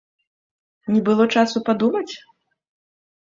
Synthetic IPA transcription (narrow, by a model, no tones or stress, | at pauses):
nʲibɨlˠɔt͡ʂasupad̪umɐt͡sʲ